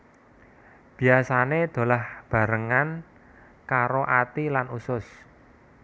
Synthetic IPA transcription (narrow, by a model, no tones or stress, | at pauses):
b̥i̤asaned̪̥o̤lahb̥ä̤ɾəŋan | kaɾoʔat̪ilanusʊs